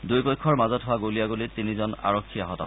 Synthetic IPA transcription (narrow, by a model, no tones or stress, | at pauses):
dujpɔjkʰːɔɹmazɔtɦowaɡoliaɡolitinizɔna̰ɹɔkʰːiaɦɔta̰